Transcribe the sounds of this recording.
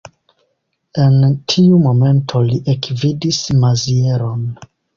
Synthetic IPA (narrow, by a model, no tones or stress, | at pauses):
e̞ntʰiumo̞me̞ntʰo̞liʔekvidismazieɾon